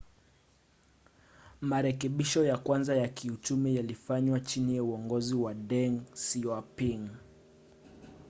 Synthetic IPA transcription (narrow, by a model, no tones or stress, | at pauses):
maɾɛkɛɓiʃɔjakwanzajakʰiut͡ʃumijalifaɲwat͡ʃinijauɔŋɡɔziwaɗɛŋsiapiŋ